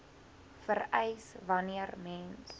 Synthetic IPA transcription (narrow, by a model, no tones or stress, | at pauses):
fərɛjsvɐniərmɛns